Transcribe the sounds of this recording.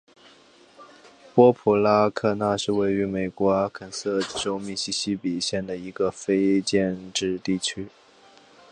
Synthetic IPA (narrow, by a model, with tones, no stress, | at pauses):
pwɔ˥pʰu˧˩la˥kʰɤ˥˧na˥˧ʂɻ̩˥˧we˥˩ɪy˧˥me˨˩ɪkwɔ˧˥kʰə˨˩nsɤ˥˩ʈ͡ʂo˥ʊmi˥˩ɕi˥ɕi˥pi˨˩ɕjɛ˥˩nd̪ə˩i˧˥ɡə˧fe˥ɪt͡ɕjɛ˥˧nʈ͡ʂɻ̩˥˧t̪i˥˩t͡ɕʰy˥